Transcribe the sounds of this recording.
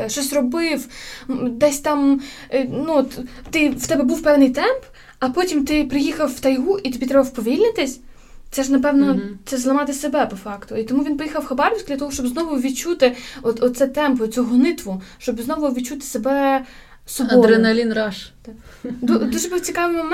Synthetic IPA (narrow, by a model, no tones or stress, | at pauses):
ʃt͡ʃɔsʲrɔbɪw | d̪ɛsʲt̪ɑm | nuɔt̪t̪ɪwt̪ɛbɛbuwpɛwnɪjt̪ɛmp | ɐpɔtʲimt̪ɪpɾɪjixɐwːt̪ɐjɦuʔit̪ɔbʲit̪ɾɛbɐwpɔʋʲilʲnɪt̪ɪsʲ | t̪sɛʒnɐp̬ɛwnɔt̪sɛzlˠɐmɑt̪ɪsebɛpɔfɑkt̪ʊit̪ɔmuʋʲinpɔjixɐwxɐbɑɾɔʋʲsʲkd̪ʲlʲɐt̪ɔɦɔʃt͡ʃɔbznɔʋʊʋʲid̪̚t͡ʃut̪ɪɔt̪ɔsɛt̪ɛmpɔt͡sʲuɦɔnɪt̪ʋʊʃt͡ʃɔbznɔʋʊʋʲid̪t͡ʃut̪ɪ̥sebɛ | sɔɔɾenɐlʲinɾɑʃt̪d̪ud̪uʒɛbɨwt͡sʲikɑʋɪjmɔmɛ